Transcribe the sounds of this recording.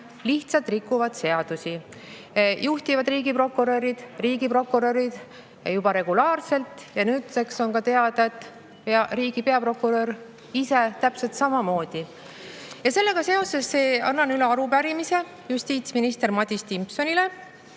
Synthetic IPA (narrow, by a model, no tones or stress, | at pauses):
liht̪sɑlt̪ˑrikːˑuvɑd̪se̞ɑd̪̥usi | juht̪ivɑd̪riːɡipro̞kːˑuɾøɾid̪̥riːɡ̥ipro̞kːuɾøɾid̪̥ | jubɑɾe̞ɡ̥ulɑːrse̞lt̪ˑjɑnyːt̪se̞kso̞nkɑt̪e̞ɑd̪̥ɑet̪ːˑ | peɑɾiːɡ̥ipe̞ɑpro̞kːuɾø̞ɾ | ise̞t̪æpse̞lt̪sɑmɑmo̞ːd̪̥i | jɑse̞lːe̞ɡ̥ɑse̞o̞se̞sːe̞ːɑnːɑnyleɑɾupæɾimise̞ | just̪iːt̪sminist̪e̞ɾmɑt̪ʲist̪impso̞nile̞